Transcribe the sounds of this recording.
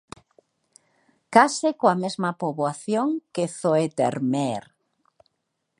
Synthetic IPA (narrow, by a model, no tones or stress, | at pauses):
kasɪkoamezmapoβoaθjoŋkeθoet̪ḛɾmɛɾ